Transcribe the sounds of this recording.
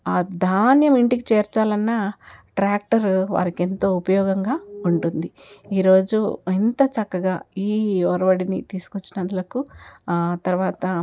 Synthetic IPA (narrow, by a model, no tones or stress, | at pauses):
aːd̪ʱaːnjɐmiɳʈikit͡ʃeːɾt͡ʃaːlɐnːɐʈɾaːk̚ʈɐɾʋa̰ːɾike̞nt̪o̞ːupɐjɔːɡɐŋɡaːuɳʈund̪i | iːɾo̞ːd͡ʒuent̪ɐt͡ʃɐkːɐɡaːiːɔɾɐʋɐɽinit̪iːsu̥kot͡ʃːinɐd̪ɐlɐku | t̪ɐɾʋaːt̪ɐ